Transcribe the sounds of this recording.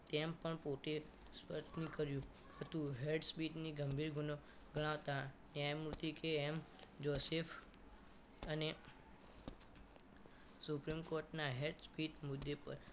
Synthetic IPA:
t̪empəɳpoʈe | spəɾt̪nĩkəɾjũ | hət̪ũɦeɾɖspiʈniɡəmbʱiɾɡʱuno | ɡəɽ̃aʋt̪aneajmuɾt̪ikeːmd͡ʒosef | əne | supɾimkoɾʈnaɦeɾʈspiʈmʊd̪ːepə̰ɾ

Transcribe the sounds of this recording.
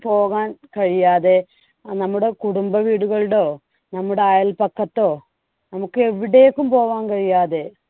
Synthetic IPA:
po̞ːɣaːnkɐɻijaːðe̞ | nɐmːuɽe̞kuɽumbɐʋiːɽuɣɐɭɽo̞ː | nɐmːuɽeaːjɐlpɐkːɐt̪ːo̞ː | nɐmukːɨe̞ʋiɽejekːumpo̞ːʋaːnkɐɻijaːðe̞

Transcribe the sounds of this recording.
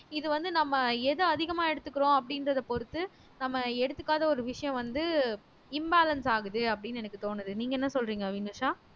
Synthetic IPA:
ɪðɯʋɐnd̪ɯnɐmːɐɛðɯɐðɪɣɐmaːɛɽɯt̪ːɯkːɪɾõːɐp̬ːɐɽɪnɾɐðɐpɔɾɯt̪ːɯ | nɐmːɐɛɽɯt̪ːɯkːaːðɐɔɾɯʋɪʂɐjɐ̃ʋɐnd̪ɯ | ɪmbaːlɐnsaːɣɯðɯɐpːɐɽɪnːɛnɐkːɯt̪oːnɯðɯniːŋɡɐɛnːɐsɔlɾiːŋɡɐʋinɯʂaː

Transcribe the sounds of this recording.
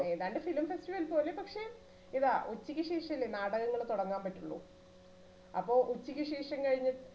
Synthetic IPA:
iðaːɳɖe̞filmfestiʋɐlpo̞ːle̞pɐkʂe̞ | iðaːʔut͡ɕːikʲːiɕeːʂɐilenaːɽɐɣɐŋːɐɭt̪uɽɐŋːaːmpɐtːuɭːṵ | ɐ̰pːo̞ːʔut͡ɕːikʲːiʂeːʂɐmkɐɻiɲːɨ

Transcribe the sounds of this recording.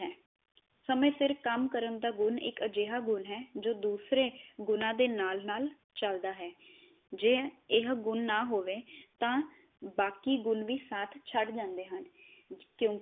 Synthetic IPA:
ɛː | səmẽːsɪɾkəmkəɾənd̪aːɡʊnɪ̰kəd͡ʒeːɦaːɡʊnɦɛːd͡ʒoːd̪uːsɾeːɡʊnãːd̪eːnaːlnaːl | t͡ʃəld̪aːɦɛː | d͡ʒeːɪɦɡʊnːaːɦoːʋeːt̪ãː | baːkiːɡʊnʋiːsaːt̪ʰt͡ʃʰəɖd͡ʒãːnd̪eːɦənkjõː

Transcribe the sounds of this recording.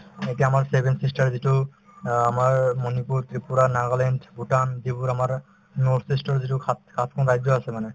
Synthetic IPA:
eʈiamaɾsebʱensisʈaɾziʈu | amaɹmonipuɾt̪ɾipuɾanaɡalenʈʰbuʈand̪ibuɾamaɾ | noɾsisʈɔɾziʈukakʰat̪ʰkʰɔnɾajd͡ʑoasʰemane

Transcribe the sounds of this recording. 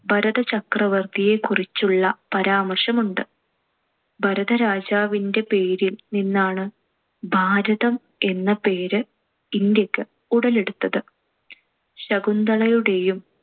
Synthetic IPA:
bʱɐɾɐðɐt͡ɕɐkrɐʋɐrd̪ije̞kurit͡ɕːuɭːɐpɐɾaːmɐrʂɐmuɳɖɨ | bʱɐɾɐðɐɾaːd͡ʑaːʋinde̞pe̞ːɾilninːaːɳɨ | bʱaːɾɐðɐm | e̞nːɐpe̞ːɾɨ | ind̪jɐkːɨ | uɽɐle̞ɽut̪ːɐðɨ | ɕɐɡund̪ɐɭɐjuɽe̞jum

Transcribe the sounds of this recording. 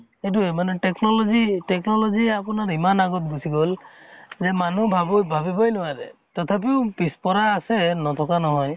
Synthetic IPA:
et̬uɛmanɛtɛknɔlɔzitɛknɔlɔziapunaɹimanaɡɔt̚busiɡɔlzɛmanubʱabujbʱabibɔjnɔwadɛ̰tɔtʰap̬iʊpispɔɾaːsɛnɔt̪ʰɔkanɔɦɔj

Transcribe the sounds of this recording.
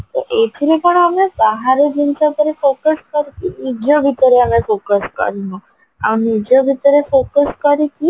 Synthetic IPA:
t̪oʔetʰiɾepəɽəmebaɦaɾed͡ʒint͡ʃat̪əɾefokəskəɾikinid͡ʒobʱit̪əɾeəmefokəskə̰ɾinu | a̰nid͡ʒobʱit̪əɾefokəskəɾiki

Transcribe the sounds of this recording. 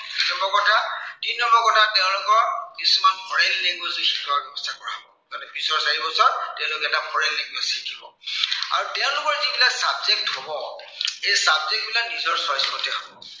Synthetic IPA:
nɔmbɔkɔtʰadinːɔmbɔkɔtʰatɛʊ̃lʊkɔɹkisumanpʰɔɹɛlːeŋɡwezixi̥kʰɔwaɡɔbɔstʰakɔɹaɦɔbɔkanɛbisɔɹsaɹibɔsɔɹtɛʊ̃lʊkɛɛtapʰɔɹɛlːeŋɡwɛzikʰibɔ̰ | a̰ɹutɛʊ̃lʊkɔɹzibilasabzek̚thɔbɔejsabzek̚t̚bilanizɔɹsɔjskɔtɛɦɔbɔ

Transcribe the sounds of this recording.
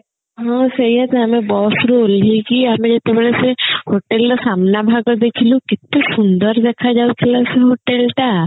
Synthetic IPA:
ɦãːsɐɦiɦɛt̪ɛɦɐmẽbɔːsuɾuolikiəmẽd͡ʒet̪ebəɭesehoʈelt̪asamnabʱaɡəɾd̪eːkʰilũkɪt̪ːesʊnd̪əɾd̪ekʰad͡ʒaːukʰilaseɦoːʈelʈa

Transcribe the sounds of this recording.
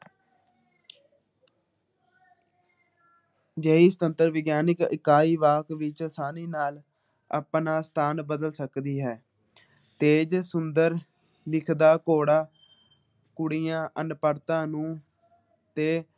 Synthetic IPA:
d͡ʒəːiːsət̪ənt̪əɾʋɪɡjaːnɪkɪ̰kːaːiːʋaːkʋɪt͡ʃsaːniːnaːl | ə̰pnaːst̪ʰaːnbəd̪əlsəkd̪iːɦɛː | t̪eːd͡ʒsʊnd̪əɾ | lɪkʰd̪aːkoːɽaː | kʊɽijãːʔənpəɾt̪ãːnũː | t̪eː

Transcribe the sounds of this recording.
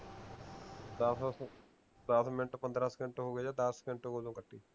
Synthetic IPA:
d̪ | d̪əsmɪnʈpənd̪ɾãːskɪɳʈːɦoːɡeːd͡ʒaːd̪əskɪɳʈoɦoːd͡ʒõːkəʈʰːiː

